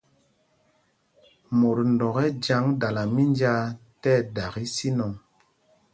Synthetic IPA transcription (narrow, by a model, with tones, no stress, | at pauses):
mo˨ɾndɔ˨ɣɛ˦d͡ʒa˧˦ŋda˨la˨mi˦nd͡ʒa˧tɛ˦da˨ɣi˦si˦nɔ˨ŋ